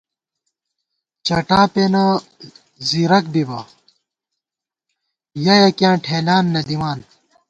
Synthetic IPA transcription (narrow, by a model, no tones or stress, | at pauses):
t͡ɕɐʈaːpena | ziɾɐk̚bibɐ | jɐjɐkjãːʈʰeːlaːnːɐd̪imaːn